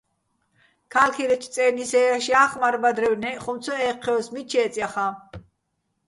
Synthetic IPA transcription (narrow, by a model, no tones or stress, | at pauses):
kʰalkʰiɾɛt͡ʃ̪ʰt͡s̪ʼɛːnisɛɾaʃiaχmaɾbad̪ɾɛwnɛχɔmt̪t͡sʰɔɛqʰːɛɔsmit͡ʃʰɛːt͡sʼjaχa